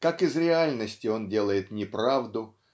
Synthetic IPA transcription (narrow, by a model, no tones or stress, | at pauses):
kakɪzɾʲɪalʲnəsʲtʲɪo̞ndʲe̞lˠəjɪt̪nʲɪpɾavd̪ʊ